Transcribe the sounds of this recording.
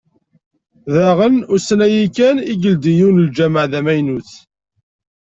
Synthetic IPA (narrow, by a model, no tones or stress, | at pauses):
ðæʁənʊɾsənæjikæniɡəld̪ijuwnld͡ʒæməʕðæmæjnuθ